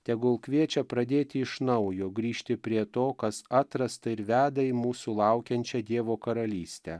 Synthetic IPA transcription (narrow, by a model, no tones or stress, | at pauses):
t̪ʲɛɡʊlˠkʋʲiɛt͡ʃʲɛpɾɐd̪ʲeːt̪ʲɪɪʃnɐʊjoːɡɾʲiːʃʲt̪ʲɪpʲɾʲiɛt̪oːkɐsɑːt̪ɾɐst̪ɐɪɾʋʲæːd̪ɐimuːsuːlˠɑʊkʲɛnʲt͡ʃʲɛd̪ʲiɛʋoːkɐɾɐlʲiːsʲt̪ʲɛ